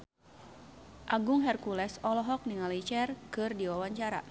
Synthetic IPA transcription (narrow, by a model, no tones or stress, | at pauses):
ʔaɡʊŋɦɛrkulɛsɔlɔɦɔk̚niŋalit͡ʃɛrkɨrdiwawaɲt͡ʃaɾa̰